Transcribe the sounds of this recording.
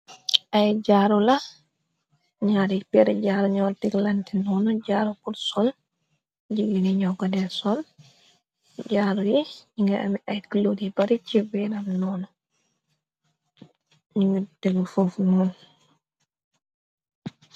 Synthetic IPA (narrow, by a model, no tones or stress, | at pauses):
ʔajd͡ʒaɾula | ɲaɾipɛɾɛd͡ʒaɾuɲɔɾtiɡlantɛnɔnɔd͡ʒaɾukuɾsɔl | d͡ʒiɡinɛɲɔɡadɛsɔl | d͡ʒaːɾujiiŋɡaa̰miʔajkilodibaɾit͡ʃivɛɾamnɔnɔ | ɲwutːɛɡɔfufnun